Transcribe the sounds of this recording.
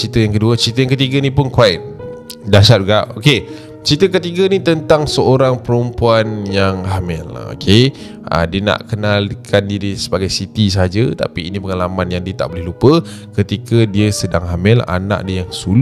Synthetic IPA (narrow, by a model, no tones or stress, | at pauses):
t͡ʃit̪əjaŋkəduət͡ʃit̪əjaŋkət̪iɡənĩpʊnkuait̪̚dasad͡ʒɡaʔoke | t͡ʃit̪əkət̪iɡənit̪ənt̪aŋsəoɾaŋpəɾəmpuanjaŋhamɪl̰o̰kʰe | ə̰diəna̰ʔkənalkʰandiɾisəbaɡajsit̪isəɦad͡ʒət̪a̰piːnĩpəŋalamanjaŋdiət̪aʔbolɛhlupə | kət̪ikədiəsədaŋɦamɪla̰nã̰ʔdiəjaŋsul